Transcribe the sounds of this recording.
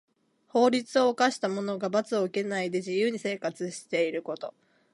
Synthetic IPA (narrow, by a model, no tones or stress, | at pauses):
ho̞ːɾʲit͡sɨo̞ːkaɕi̥t̪amo̞no̞ɡabat͡sɨo̞ɯke̞naid̪e̞ʑijɯːɲ̟ise̞ːkat͡sɨɕi̥t̪e̞iɾɯ̟ko̞t̪o̞